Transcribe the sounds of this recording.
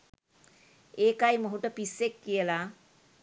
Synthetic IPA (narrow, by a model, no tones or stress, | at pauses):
eːkajməɦuʈəpisːekːijəla